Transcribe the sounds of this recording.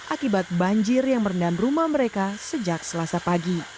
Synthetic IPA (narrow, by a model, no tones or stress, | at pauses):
ʔakibat̪̚baɲd͡ʒɪrjaŋməɾəndamrumahməɾekasəd͡ʒak̚səlasapaɡi